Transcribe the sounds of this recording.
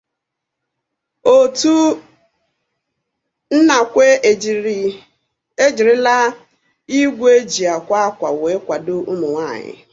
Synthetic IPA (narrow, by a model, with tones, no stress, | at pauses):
o˨tu˦ | n̩˦na˨kʷe˦ | e˦d͡ʒi˨ɾɪ˦la˦ | i˦ɡʷe˦d͡ʒi˨a˨kʷa˦a˦kʷa˨we˨˦kʷa˨dʊ˦ʊ˦mʊ˨ŋʷaː˦˨ɲɪ̰˨